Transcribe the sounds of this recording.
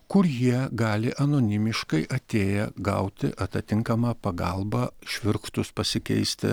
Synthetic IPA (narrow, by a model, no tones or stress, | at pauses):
kʊɾjiɛɡɑːlʲɪʔɐnoːnʲɪmʲɪʃkɐɪʔɐt̪ʲeːjɛɡɐ̰ʊt̪ʲɪ̰ʔɐt̪ɐt̪ʲɪŋkɐmɑːpɐɡɐlˠbɑːʃʲʋʲɪɾkt̪ʊspɐsʲɪkʲɛ̰ɪsʲt̪ʲɪ̰